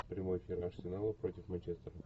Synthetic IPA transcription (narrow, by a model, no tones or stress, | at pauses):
pɾʲɪmo̞jɪfʲirɐrsʲɪnalˠəpɾo̞tʲɪfmɐnʲt͡ɕest̪əɾə